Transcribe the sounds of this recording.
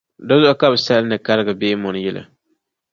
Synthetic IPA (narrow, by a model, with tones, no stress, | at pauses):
dɔ˦zʊ˦ʔa˨ka˦bɨ˨sa˦lnɨ˨ka˦lɨ˦ɡɨ˨beː˦mʊ˨n˨˦jɛ˦la̰˨